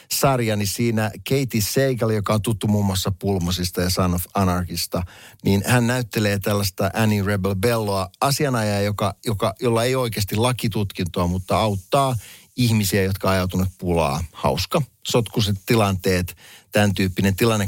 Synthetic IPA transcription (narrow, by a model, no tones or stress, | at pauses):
sɑrjɑnisiːnækeit̪isseikɑlːejokɑo̞nt̪ut̪ːumuːmːuɑsːɑpulmosist̪ɑjɑsɑnofɑnɑrkist̪ɑniːnhænːæyt̪ːeleːt̪ælːæst̪ɑʔænireblbelːoɑɑsiɑnɑjɑːjokɑjokɑjolːɑejo̞ikeːst̪ilɑkit̪ut̪kint̪oɑmut̪ːɑɑwt̪ːɑː | ihmisiæjo̞t̪kɑɑjɑut̪unut̪̚pulɑ̰ːhɑ̰uskɑ | sot̪kuset̪tːilɑnt̪eːt̪t̪ænt̪yːpːinent̪ilɑnːe